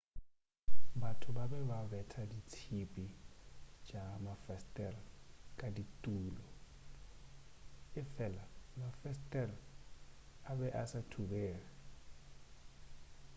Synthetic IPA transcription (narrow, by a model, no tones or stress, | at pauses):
batʰʊbabɛbabɛtʰadit͡sʰipʼi | t͡ʃʼamafɛstʼɛlkʼaditʼuːlɔ | ɪfɛlamafɛstʼɛl | abɛʔasatʰubɛːra